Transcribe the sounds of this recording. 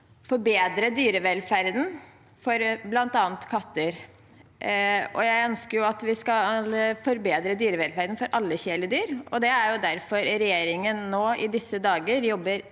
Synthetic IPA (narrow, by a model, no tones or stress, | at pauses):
fɔɾbeːd̪ɾəd̪yːɾəʋɛlfæɾd̪n̩ | fɔɾblɑnt̪ɑːnt̪kʰɑt̪ːəɾ | ɔ̰jæɪœnskəɾjʊɑt̪ʋɪskɑlfɔɾbeːd̪ɾəd̪yːɾəʋɛlfæɾd̪n̩fɔɾʔɑlːəçeːləd̪yːɾɔd̪ɛæɾjʊd̪æɾfɔɾɾɛjeːɾɪŋənːoːɪd̪ɪsːəd̪ɑːɡəɾjɔbːəɾ